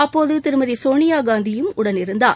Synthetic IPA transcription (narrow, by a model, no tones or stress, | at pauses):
ɐpːoːðɯt̪ɪɾɯmɐðisoːnɪjaːɡaːnd̪ɪjɯmʊɽɐnɪɾɯnd̪a̰ː